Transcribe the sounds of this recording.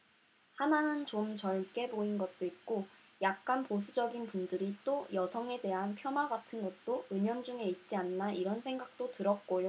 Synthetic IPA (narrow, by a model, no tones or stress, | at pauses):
hananɯnt͡ɕomt͡ɕʌɭk͈e̞boinɡʌt̚t͈oit̚k͈o | jak̚k͈anpos̬ʰud͡ʑʌɡinpundɯɾit͈ojʌsʰʌŋe̞de̞ɦanpʰjʌnaɡatʰɯnɡʌt̚t͈oɯɲʌnd͡ʑuŋe̞it̚t͡ɕ͈ianːaiɾʌnsʰe̞ŋɡak̚t͈otɯɾʌt̚k͈ojo